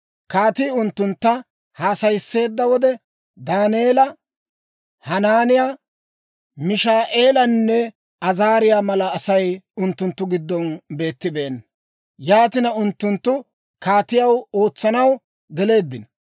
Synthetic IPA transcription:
kaːt̪iʊnt̪ːʊnt̪ːɐ | haːsɐjsːe̞ːd̪ːɐwɔd̪ɛ | d̪aːneːlɐ | hɐnaːnɪja | mɪʃaːʔe̞ːlɐnːɛ | ɐzaːɾɪjaːmɐlɐːsɐjʊnt̪ːʊnt̪ːʊɡɪd̪ːɔnbe̞ːt̪ːɪbe̞ːnː | jaːt̪ɪnɐʊnt̪ːʊnt̪ːʊ | kaːt̪ɪjɐwo̞ːt͡sːɐnɐw | ɡɛle̞ːd̪ːɪnɐ

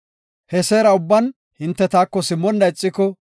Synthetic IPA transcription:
hɛseːɾɐʊbːɐn | hɪnt̪ːɛt̪aːkːɔsɪmːɔnːɐɪt͡sʼːɪkɔ

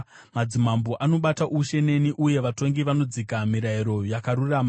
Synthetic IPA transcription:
mad͡zimamboʔano̞ɓataʔuʃe̞ne̞niʔuje̞ʋato̞ŋɡiʋano̞d͡zikamiɾaiɾo̞jakaɾurama

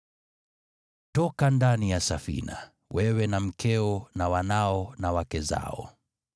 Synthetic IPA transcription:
tɔkandanijasafḭna̰ | wɛwɛnam̩kɛɔnawanaɔnawakɛza̰ɔ̰

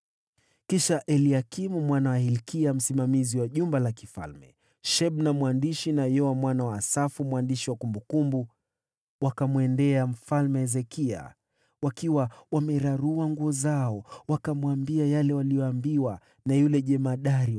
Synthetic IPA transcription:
kiʃaʔɛliakimumwanawahilkiam̩simamiziwaʄumbalakifa̰lmɛ̰ | ʃɛɓnamwandiʃinajɔwamwanawaːsafumwandiʃiwakumbukumbu | wakamwɛndɛam̩falmɛɛzɛkia̰ | wakiwawamɛɾaɾuaŋɡuɔzaɔwakamuambiajalɛwalijɔambiwa | najulɛʄɛmaɗaɾi

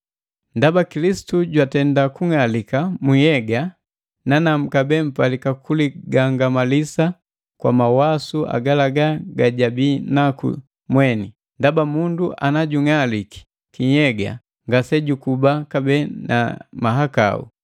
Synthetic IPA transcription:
ndabakilisi̥tuɟwatɛndakuŋalikamujɛɡa | nanam̩kabɛm̩palikakuliɡaŋɡamalisa | kwa̰mawasuʔa̰ɡalaɡaɡaɟabinakṵ | mwɛni | ndabamunduʔa̰naɟuŋaliki̥ | kijɛɡa̰ | ŋɡasɛɟukubakabɛna̰maɦaka̰ṵ

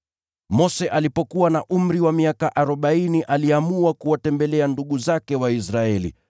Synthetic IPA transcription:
mɔsɛʔalipɔkuwanaʔum̩ɾiwamiakaʔaɾɔɓainiʔaliamuwakuwatɛmbɛlɛanduɠuzakɛwaisɾaɛlḭ

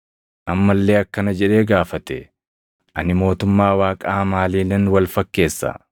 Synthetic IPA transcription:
ʔɐmːɐlːe̞ːɐkːɐnɐd͡ʒɛᶑe̞ːɡaːfɐt̪ɛ | ʔɐnɪmo̞ːt̪ʊmːaːwaːkʼaːmaːliːlɛnwɐlfɐkːe̞ːsːɐ̰

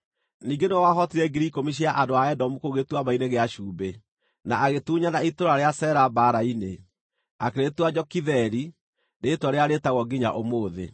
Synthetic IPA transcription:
niːŋɡeneɔwaɦɔtiɾɛɡiɾikomiɕ̬iaʔandoaɛdɔmukoɣetwamaineɣeaɕuːbe | naaɣetuːɲanaitoɾaɾeasɛɾabaɾaine | akeɾetwad͡ʒɔkiðɛɾi | ɾetaɾeaɾetaɣɔɡiɲa̰ʔomoːðḛ

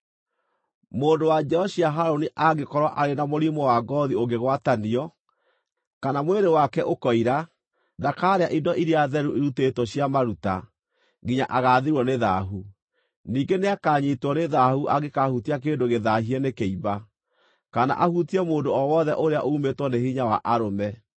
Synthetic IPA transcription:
moːndowad͡ʒɛɔɕiaɦaɾoniʔaɣekɔɾwaʔaɾenamoɾimɔwaɡɔðioɡeɣwataniɔ | kanamweɾewakɛʔokɔiɾa | dakaɾeaʔidɔʔiɾiaðɛɾuʔiɾutetwɔɕjamaɾuta | ɡiɲa̰ʔaɣaːðeɾwɔneða̰ɦu | niːɡeneakaːɲitwɔneðahuʔaɣekahutiak̬eːndoɣeðaɦiɛnekeiba | kana̰ʔahutiɛmoːndoɔwɔðɛʔoɾea̰ʔoumetwɔnehiɲawa̰ʔaɾomɛ

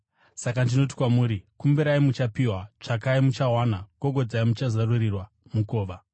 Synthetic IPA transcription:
sakandino̞t̬i̥kwamuːɾikumbeɾaimut͡ʃapiwat͡ʂakaimut͡ʃawanaɡ̥oɡʱo̞d͡zaimut͡ʃazarurirwa | muko̞ːʋa

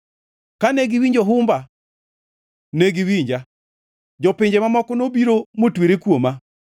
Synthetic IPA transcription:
kaneɡiwiɲd͡ʒoɦʊmba | neɡiwiɲd͡ʒa | d͡ʒɔpɪɲd͡ʒemamɔkɔnobiɾomotwiɾekwoma

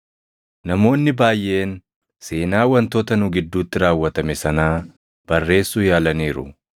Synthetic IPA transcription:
nɐmo̞ːnːɪbaːjːe̞ːn | se̞ːnaːwɐnt̪oːt̪ɐnʊɡɪd̪ːuːt̪ːɪɾaːwːɐt̪ɐmɛsɐnaː | b̥ɐrːe̞ːsːuːjaːlɐniːɾʊ̰

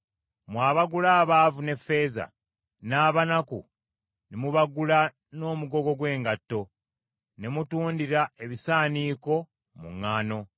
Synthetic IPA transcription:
mwaːβaɡulaːβaːvune̞fːe̞ːza̰ | naːβanakṵ | nemuβaɡula | no̞ːmuɡo̞ɡo̞ɡwe̞ːŋɡatːo̞ | nemutuːndiɾae̞βisaːniːko̞ | mṵŋːaːno̞

